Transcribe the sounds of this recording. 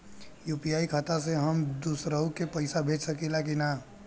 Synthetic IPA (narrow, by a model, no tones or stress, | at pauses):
juːpijaːikʰat̪as̬eɦɐmd̪usɾəukepɐɪsabʱeːt͡ʃsɐkilak̬inaː